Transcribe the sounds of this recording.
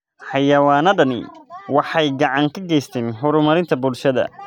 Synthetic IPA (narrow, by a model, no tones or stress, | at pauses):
ħɑjɐwaːnɐdɐnɪ̰wɑħɑjɡɑʕɑŋkʰɐɡɛjst̪ʰɛːnħʊɾʊmɐɾɪnt̪ʰɐbʊlʃɐðɐ̰